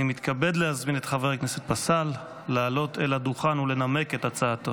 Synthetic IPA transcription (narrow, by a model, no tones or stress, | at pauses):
imit̪kabe̞dlehazminetχaveʁkne̞set̪̚basalː | aːlo̞tʰeladuχanule̞name̞ke̞tat͡saːto